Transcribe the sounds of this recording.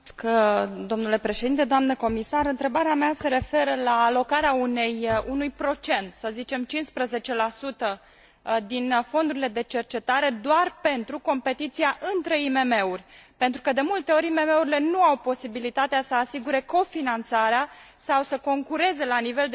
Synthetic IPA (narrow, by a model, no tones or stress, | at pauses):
kd̪o̞mnule̞pɾe̞ʃed̪int̪e̞d̪oamnəko̞misaɾɨnt̪ɾe̞baɾeamease̞ɾe̞fe̞ɾəlaːlo̞kaɾeaune̞junujpɾo̞t͡ʃe̞nt̪səzit͡ʃe̞mt͡ʃinspɾəze̞t͡ʃe̞lasut̪ə | d̪info̞nd̪uɾile̞d̪e̞t͡ʃe̞rt͡ʃe̞t̪aɾe̞d̪oarpe̞nt̪ɾuko̞mpe̞t̪it̪sijaʔɨnt̪ɾe̞ime̞me̞urʲpe̞nt̪ɾukəd̪e̞mult̪e̞o̞ɾʲime̞me̞uɾile̞nuawpo̞sibilit̪at̪easəasiɡuɾe̞ko̞finant̪saɾeasawsəko̞ŋkuɾe̞ze̞lanive̞ld̪